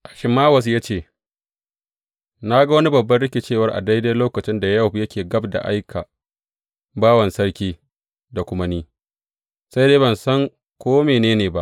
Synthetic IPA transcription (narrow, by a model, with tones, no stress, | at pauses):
ʔa˨ʃɪ˨maː˦wɐ˨s̬jaː˦t͡ʃeː˦˨ | na˦ɡa˦wɐ˦ni˦bɐ˨bːɐ˦ɽɪ˦kʲe˨t͡ʃeː˦˨wɐ˦rʔa̰˨da˦jda˦jloː˦kɐ˨t͡ʃɪ˦nda˨jɐ˦wɸjɐ˦kʲeː˨ɡɐ˦bda̰˨ʔa˦jkʰa˨ | baː˦wɐ˨nsɐ˦ɽkʲiː˦ | da˨kʷʊ˦ma˦niː˦ | sa˦jdeː˦bɐ˨nsɐ˦ŋ | kʷoː˦meː˨neː˦neː˨ba˦ʔ